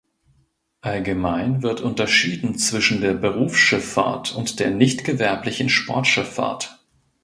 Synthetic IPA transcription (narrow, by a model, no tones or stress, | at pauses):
ʔalɡəmaɪnvɪɐtʔʊntɐʃiːdn̩t͡sv̥ɪʃn̩deːɐbəʁuːfsʃɪfːa̰ɐtʰʊntd̥eːɐnɪçtɡ̥əvɛɐplɪçn̩ʃpʰɔɐtʃɪfa̰ɐt